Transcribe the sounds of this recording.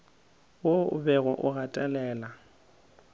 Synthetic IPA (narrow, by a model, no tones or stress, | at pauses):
wobɛɣɔʔʊɣatʼɛlɛːla